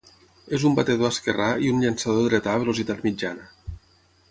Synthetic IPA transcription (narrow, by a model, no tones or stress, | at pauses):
ezumbat̪eðoaskeraiunʎansaðoðɾet̪aβ̞eluzit̪at̪mid͡ʒanə